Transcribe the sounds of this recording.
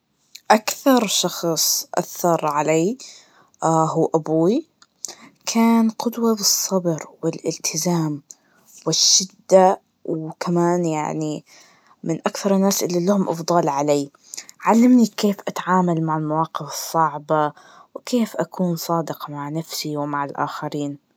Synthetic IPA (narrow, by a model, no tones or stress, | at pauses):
ʔakθɑɾˤʃɑxsˤʔa̰θːɑɾˤʕalaː | ɦuːʔabuːi | kʰaːnqʊd̪wabɨsˤːɑbɾwɪlʔɪlt̪ʰɪzaːm | wɪʃːɪd̪ːa | wkʰamaːnja̰ʕni | mɪnʔakθɑɾˤɪnːaːsʔɪlːilahʊmʔɑfd̪ˤɑːlʕalaː | ʕalːamnikeːfʔat̪ʕaːmalmaʕɪlmawɑːqɪfɨsˤːɑʕbɑ | wkʰeːfʔakʰuːnsˤɑːd̪ɪqmaʕnafsiwmaʕɪlʔa̰ːxaɾiːn